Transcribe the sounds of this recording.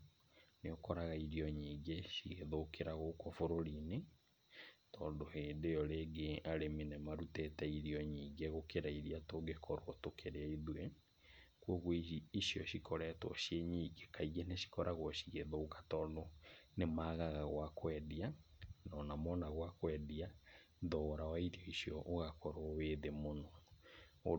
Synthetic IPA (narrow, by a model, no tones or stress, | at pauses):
neokɔɾaɣaiɾiɔɲiːɡeʃiɣeðokeɾaɣokɔfoɾoɾine | tɔndoheːndejɔɾeːɡeaɾeminɛmaɾutɛtɛiɾiɔɲiːŋɡeɣokeɾaiɾiatoɡekʰɔɾwɔtokʰeɾeaiðwe | kwɔɣwɔisiɔɕikʰɔɾɛtwɔ̰ʃjeɲiːɡekaiɣeneɕi̥kɔɾʔaɣwɔɕiɣeðoːkḁtɔdonemaːɣaɣaɣwakwɛdianɔnamɔnaɣwakwɛdia | ðɔɾawaiɾiɔisiɔʔoɣakɔɾoweðemonɔ